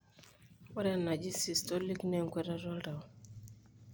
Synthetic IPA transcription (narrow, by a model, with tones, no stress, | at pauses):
wɔ˦ɾɛ˨na˨d͡ʒi˦si˨stɔ˦li˦knɛ˦˨ŋ˨kwɛ˦ɾa˦ɾɔ˦lda˨w